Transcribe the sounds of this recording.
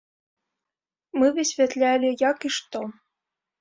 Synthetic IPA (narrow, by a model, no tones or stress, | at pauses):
mɨvɨsʲvʲɛt̪lʲælʲijakiʂt̪ɔ